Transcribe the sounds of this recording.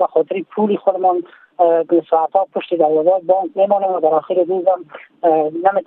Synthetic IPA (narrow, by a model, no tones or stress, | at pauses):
baxɔt̪ɪɾɪpʰulexʊd̪ɪmɔn | sɔat̪ɔpʊʃt̪ed̪aɾwazɑjbɑŋkmemɔnemwad̪aɾɔxɪɾɪd̪uzam | namet̪